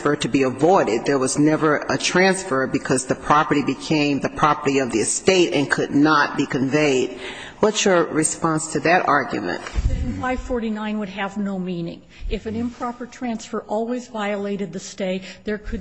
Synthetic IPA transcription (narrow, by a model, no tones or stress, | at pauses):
fə˞ɾɨbiəvɔɪɾɪd̪̚ðə˞wʌznɛvə˞ətʰɹ̥æ̃nsfə˞bɨkʰʌzðɨpʰɹ̥ɑpə˞ɾibɨkʰẽɪ̃mðɨpʰɹ̥ɑpə˞ɾiʌvðiɨsteɪɾɨ̰̃nkʰɨdⁿnət̚b̥ikɨ̃ɱveɪd̥̚ | wʌtsjə˞ɹɨspɑ̃nstʰɨðɨɾɑɹɡjɨ̰mɨ̰̃ntɪ̃nfaɪv̥fɔɹɾinãɪ̃nwɨd̚ɨvnoʊmĩnɪ̰̃ŋ | ɨfɨ̃nɨ̃mpʰɹ̥ɑpə˞tʰɹ̥æ̃nsfə˞ʔɔlˠwizvaɪɨleɪɾɨd̪̚ðɨsteɪtðə˞kʰɨ